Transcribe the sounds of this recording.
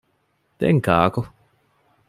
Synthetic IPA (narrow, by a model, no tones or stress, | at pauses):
t̪ɛ̰ŋkaːko